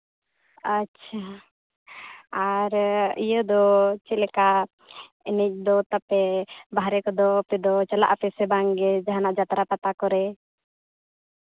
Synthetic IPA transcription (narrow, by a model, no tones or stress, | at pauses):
atːt͡ʃʰa | aɾḭjəd̪ɔt͡ʃɛlɛka | inic̚ˀd̪ɔt̪apɛbaɦɾɛkɔd̪ɔpɛd̪ɔt͡ʃalaʔapɛsɛbaŋɡɛd͡ʒaɦanaʔd͡ʒat̪ɾap̪at̪akɔɾɛ